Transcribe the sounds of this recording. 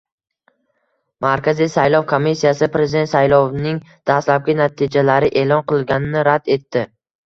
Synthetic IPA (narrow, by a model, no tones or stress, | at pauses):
maɾkʲazijsajlˠɒvkʰomːisːijasɪpɾe̞zɪd̪e̞nt̪sajlˠɒvnɪŋ | d̪̥ast̪lap̚ɡʲɪnat̪ʰid͡ʒalaɾɪʔe̞lˠɒnqɨlˠɡʲanɪnɪɾad̪e̞t̪ːɪ